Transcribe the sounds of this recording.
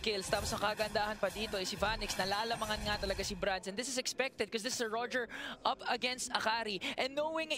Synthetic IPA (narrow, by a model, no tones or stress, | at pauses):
kɪlst̪aːposnɐkɐɡɐɐnd̪aːhɐnpɐd̪iːt̪o̞ʔɛsivanɪksnɐlaːʔlɐmɐŋɐnŋat̪ɐlɐɡasibɾand̪sɛ̃nd̪ɪsɪsɛkspɛk̚t̪ɛd̪̚kɔsðɪsɪsɐɹɔd͡ʒɛɹʔɐpɐɡɛnst̪ɐkaɾiʔɛ̃nːowɪŋ